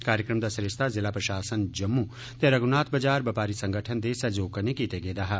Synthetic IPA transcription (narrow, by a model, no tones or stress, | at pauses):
kaːɾjəkɾəmd̪asɾeʃt̪ʰazɪlapɾɐʃaːsənd͡ʒɐmːu | t̪eɾɐɡunaːt̪ʰbɐd͡ʒaːɾbɐpaːɾisɐ̃ŋɡʱəʈʰənd̪esɐd͡ʒoːkɐnẽkiːt̪eɡeːd̪aːɦa